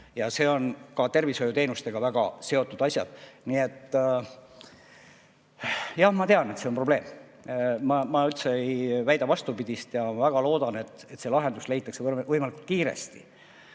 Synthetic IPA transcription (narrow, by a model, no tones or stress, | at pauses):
jɑse̞ːo̞nkɑt̪e̞rviso̞jut̪e̞ːnust̪e̞ɡ̥ɑvæɡ̥ɑse̞o̞t̪ːˑud̪̥ɑsʲjɑ̰d̪̥nie̞t̪ːˑ | jɑhmɑt̪e̞ɑne̞t̪se̞o̞npro̞b̥le̞ːm | mɑmɑylt̪se̞ejvæjd̪ɑvɑst̪upid̪̥ʲist̪jɑmɑvæɡ̥ɑlo̞ːd̪̥ɑne̞t̪ːˑe̞t̪se̞lɑɦe̞nd̪̥usle̞jt̪ːˑɑkse̞vɤvɤjmɑlikult̪̚kiːɾḛst̪ḭ